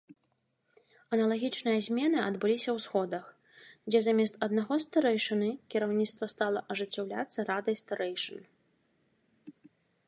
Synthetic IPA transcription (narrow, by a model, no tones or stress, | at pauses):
ɐnɐlˠaɣʲit͡ʂnɨjɐzʲmʲɛnɨɐd̪bɨlʲisʲɐwsxɔd̪ɐx | d͡zʲɛzamʲɛst̪ɐd̪naɣɔst̪aɾɛjʂɨnɨkʲiɾawnʲit̪st̪vɐst̪alˠɐʔɐʐɨt͡sʲːawlʲa̰t̪sːɐɾad̪ɐjst̪ɐɾɛjʂɨn